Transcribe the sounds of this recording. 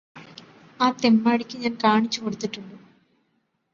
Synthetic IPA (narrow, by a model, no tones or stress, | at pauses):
aːt̪e̞mːaːɽikʲːɨɲaːnkaːɳit͡ɕːuko̞ɽut̪ːiʈːuɳɖu